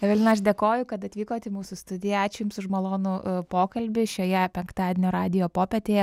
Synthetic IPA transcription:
ʋʲɛlʲɪnɐʃd̪ʲeɛkoːjʊkɐt̪ɐt̪ʲʋʲiːkoːt̪ʲɪmuːsʊst̪ʊd̪ʲɪjɛɑːt͡ʃʲɛjʊmsʊʃmɐlˠoːnʊpoːkɐlʲbʲɪʃʲoːjɛpʲɛŋkt̪ɑːd̪ʲenʲoːɾɑːd̪ʲɪjoːpoːpʲɛt̪ʲeːjɛ

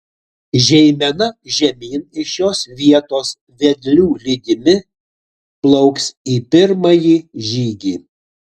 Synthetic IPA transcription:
ʒʲɛɪmʲɛnɐʒʲɛmʲiːnɪʃjoːsʋʲiɛt̪oːs | ʋʲɛd̪ʲlʲuːlʲiːd̪ʲɪmʲɪ | plˠɔʊksiːpʲɪɾmɐjiːʒʲiːɡʲiː

